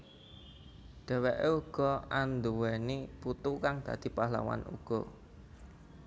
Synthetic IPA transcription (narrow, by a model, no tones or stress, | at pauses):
ɖ̪̥ɛ̤wɛʔeuɡ̥ɔ̤and̪uwɛniput̪ukaŋd̪̥ä̤d̪̥i̤pahla̰wa̰nṵɡ̥ɔ